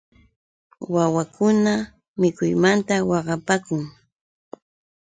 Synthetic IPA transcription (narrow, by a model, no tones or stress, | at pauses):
wawakʊna | mɪkʊjmant̪awɑɢɑpaːkʊŋ